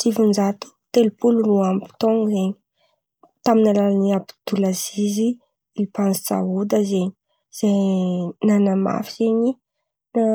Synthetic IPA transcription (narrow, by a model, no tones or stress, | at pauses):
t͡sivund͡ʒat̪u̥t̪elupuluruampi̥t̪oŋzeɲi̥ | t̪aminalalaniapi̥d̪̥ulazizi | ilipanzi̥t͡sa̰ɦud̪əzeɲi̥ | z̥ajnanama̰fiz̥eɲi | na